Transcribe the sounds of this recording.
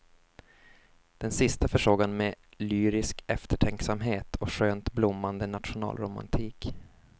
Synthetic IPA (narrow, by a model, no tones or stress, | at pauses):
d̪̥ɛnsɪst̪afœʂoːɡanmɛlyːɾɪskɛft̪əʈʰɛŋksamɦeːt̪ʰɔɧøːnt̪blʊmːand̪ənat̪ɧʊnɑ̰ːlɾʊma̰nt̪ʰiːk